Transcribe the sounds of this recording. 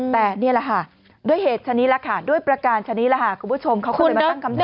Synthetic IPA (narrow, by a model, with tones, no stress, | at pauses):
t̪ɛː˨˩ni˥˩ɐla˨˩kʰa˥˩ | du˥˩əjɦeː˨˩t̪̚t͡ɕʰa˧ni˦˥t̚la˧˩kʰa˦˥˩du˥˩əjpɾa˧kaː˧nt͡ɕʰa˧ni˦˥la˧˩kʰa˥˩kʰu˧mpʰu˦˥t͡ɕʰo˧mkʰa˦˥kːjm˧a˥˩ŋkʰa˧m